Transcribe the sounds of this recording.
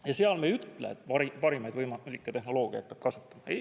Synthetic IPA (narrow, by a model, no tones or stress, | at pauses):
jɑseɑlmejyt̪lḛḛt̪ːɑipɑɾimɑjd̪̥vɤjmɑlʲikːˑet̪ehno̞lo̞ːɡ̥iɑ̰j̪̚pɑb̥kɑsu̥t̪ːˑɑ̥mɑej